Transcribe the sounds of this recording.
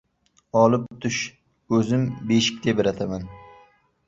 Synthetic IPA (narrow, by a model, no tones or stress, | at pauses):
ɒlˠɪpt̪ʰʊʃ | ɵzɪmbeʃɪ̥kʲt̪ʰebɪɾat̪ʰaman